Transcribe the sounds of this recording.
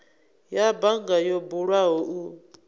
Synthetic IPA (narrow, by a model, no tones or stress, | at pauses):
jabaŋɡajɔbuɺwaɦɔʔu